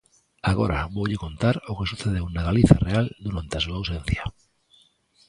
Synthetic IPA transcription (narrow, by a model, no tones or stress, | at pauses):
aɣo̰ɾaβowʎekont̪aɾokesuθeðeunaɣaliθareald̪uɾant̪easuaːwsẽn̟θja